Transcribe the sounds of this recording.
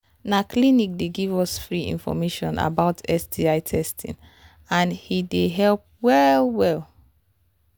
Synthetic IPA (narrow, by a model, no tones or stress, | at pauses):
nakʰlinik̚deɡivɔsfɹiḭ̃nfɔ̰meʃɔ̃nʔa̰baʊtʰɛsdiaɪtʰɛstʰḭ̃n | ãnhideɦɛlp̚wɛlwɛl